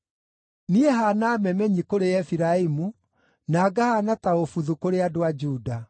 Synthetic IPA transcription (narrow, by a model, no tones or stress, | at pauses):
niɛɦanaːmɛmɛɲikoɾeɛfiɾaimu | naːɡahanataofuðukoɾeadoad͡ʒuːda